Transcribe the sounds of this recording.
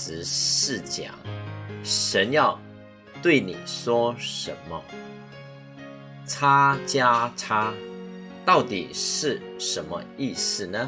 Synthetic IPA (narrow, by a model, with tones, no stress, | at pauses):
ɹ̩˧˦ʂɻ̩˥˩t͡ɕja̰˨˩˦ŋ | ʂə˧˦˥njɑ˥˧ʊ | t̪we˥˩ɪni˨˩ʂwɔ˥ʂə̰˨˧˥nmə̰˧ | ʈ͡ʂʰa˥t͡ɕja˥ʈ͡ʂʰa˥ | t̪ɑ˥˩ʊt̪ḭ˨˩ʂɻ̩˥˩ʂə˧˦nmə̰˧i˥˧s̩˥˩nə˩